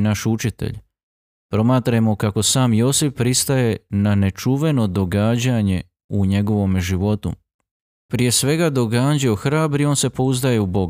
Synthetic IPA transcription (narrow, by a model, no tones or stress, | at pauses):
naʃut͡ʃit̪ḛʎ | pɾo̞maːt̪ɾaemokako̞saːmjo̞ːsifpɾist̪aje̞nane̞t͡ʃuʋe̞no̞d̪o̞ɡaːd͡ʑaɲe̞ | uɲe̞ɡo̞ʋo̞meʒiʋo̞t̪ṵ | pɾije̞sʋe̞ɡad̪o̞ɡaːd͡ʑioxɾaːbɾio̞ːnse̞po̞uzd̪aje̞ubo̞ɡa